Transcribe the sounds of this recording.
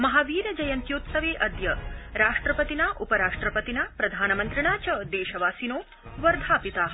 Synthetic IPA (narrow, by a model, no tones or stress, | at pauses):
mɐɦaːʋiːɾɐd͡ʒɐjɐnt̪jut̪sɐʋeːʔɐd̪jɐɾaːʂʈɾɐpɐt̪inaʔupɐɾaːʂʈɾɐpɐt̪inaːpɾɐd̪ʱaːnɐmɐnt̪ɾiɳaːt͡ʃɐd̪eːʃɐʋaːsinoː | ʋɐɾd̪ʱaːpit̪aːɦ